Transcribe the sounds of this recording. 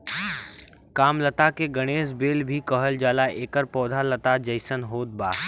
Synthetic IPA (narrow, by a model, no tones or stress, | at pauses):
kaːmlət̪akeɡəɽ̃eːsbeːlbʱikəɦəld͡ʒaːlaʔeːkəɾpɔːd̪ʱalət̪ad͡ʒəɪsənɦoːt̪̚baː